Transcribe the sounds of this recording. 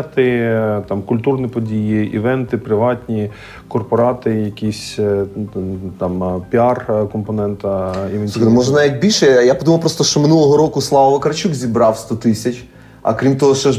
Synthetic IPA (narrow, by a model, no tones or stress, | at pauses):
t̪ɪt̪ɑmkʊlʲt̪urnʲipɔdʲijiḭʋɛnt̪ɪpɾɪʋɑt̪ʲnʲi | kɔrpɔɾɑt̪ɪjɐkʲisʲ | t̪ɑmpʲiɑrkɔmpɔnɛnt̪ɐiʋɛnʲsʲmɔʒɛnaʋʲik̚ʲbʲilʲʃɛjapɔd̪umɐwpɾɔst̪ɔʃt͡ʃɔmɪnulˠɔɦɔɾɔkʊslˠɑʋɐʋɐkɐɾɐt͡ʃukzʲibɾɑwst̪ɔt̪ɪsʲɐt͡ʃʲ | ɐ̰kɾʲimt̪ɔɦɔʃt͡ʃɔʒ